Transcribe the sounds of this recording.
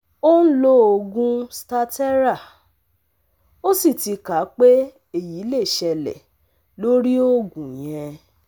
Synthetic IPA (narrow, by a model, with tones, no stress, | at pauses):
o˦n̩˦lo˦o˧ɡũ˦sta˦tɛ˦ɾa˦˨ | o˦si˦˨ti˧ka˨˦k͡pe˦ | e˦˨ji˨˦le˦˨ʃɛ˧lɛ̰˨ | lo˦ɾi˦o˦ɡũ˨j̃ɛ̃˧